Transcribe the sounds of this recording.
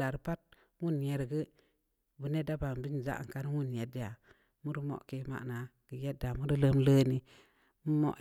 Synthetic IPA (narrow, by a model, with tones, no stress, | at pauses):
a˨ɾpa˦t̚ | wu˦˨nje˨˦ɾɡə˦ | bu˨ne˦da˦ba˨m˨bi˦n˨za̰˦ʔŋ˨ka˦n˦wu˦nje˨di˦a˨ | mu˦ɾi˦mo̰˦ʔke˦ma̰˦ʔna˨ | ɡ̥ə˨je˦da˨mu˦ɾi˦lə˦mləː˦ni˦ | mu˦mo̰˦ʔ